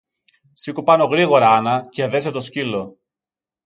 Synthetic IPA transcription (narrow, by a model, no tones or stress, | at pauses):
sikupɐno̞ɣɾiɣo̞ɾɐɐnɐceðe̞set̪o̞scilo̞